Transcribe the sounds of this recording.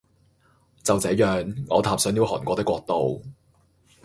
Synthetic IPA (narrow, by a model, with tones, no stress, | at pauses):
t͡sɐ˨wt͡sɛː˨˧˥jœː˨ŋŋɔː˨˧t̪ʰaː˨˧p̚sœː˨˥ŋji˨˧whɔː˨˩nkʷɔː˧t̪ɪ˥kʷwɔː˧k̚t̪o˨˧w